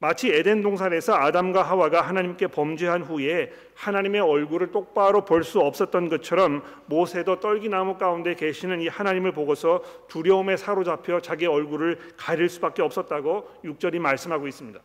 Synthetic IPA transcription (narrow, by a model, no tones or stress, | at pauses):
mat͡ɕʰiede̞ndoŋsʰaɾe̞sʰʌadamɡwaɦawaɡaɦanaɲimk͈e̞pʌmd͡ʑiɦanɸue̞ | hanaɲime̞ʌɭɡuɾɯɭt͈ok̚p͈aɾopʌɭs͈uʌp̚s͈ʌt̚t͈ʌnɡʌt͡ɕʰʌɾʌmː | osʰe̞dʌt͈ʌɭɡinamuk͈aunde̞ke̞ɕʰinɯnihanaɲimɯɭpoɡʌsʰʌpuɾjʌume̞sʰaɾod͡ʑapʰjʌt͡ɕaɡeʌɭɡuɾɯɭ | kaɾiɭs͈ubak͈̚e̞ʌps͈ʌt̚t͈aɡojuk̚t͡ɕ͈ʌɾimaɭs͈ɯmɦaɡois͈ɯmɲid̥a